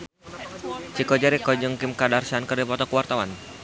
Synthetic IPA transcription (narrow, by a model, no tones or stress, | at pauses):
t͡ʃikɔd͡ʒaɾikɔd͡ʒɔŋkɪmkadarsankərdipɔt̪ɔkuwart̪awan